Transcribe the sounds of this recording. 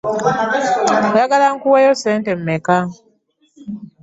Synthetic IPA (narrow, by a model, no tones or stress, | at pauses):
jaɡalaŋkuwejoseːntemːeka